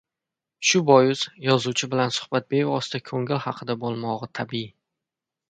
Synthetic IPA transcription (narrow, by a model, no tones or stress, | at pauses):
ʃʊbɒjʊzjɒzut͡ʃʰɪbɪlansʊ̥hb̥at̪̚be̞vɒst̪ʰakʰɵŋɪlhɑqʰɨd̪abolˠmɒʁɨt̪ʰabi